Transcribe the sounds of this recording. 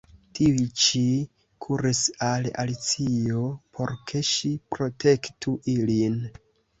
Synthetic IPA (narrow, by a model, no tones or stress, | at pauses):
tʰiit͡ʃi | kʰuɾisala̰lit͡sio̞pʰo̞̰ɾkʰe̞ʃipɾo̞tʰe̞ktʰuʔilin